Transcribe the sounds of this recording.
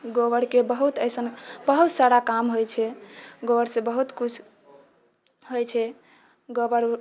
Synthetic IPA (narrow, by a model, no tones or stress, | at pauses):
ɡoβəɾkebəɦut̪əjsənbəɦut̪saɾakamɦojt͡ʃʰɛɡoʋəɾsẽbəɦut̪kut͡ʃʰ | ɦojt͡ʃʰɛ | ɡobəɾ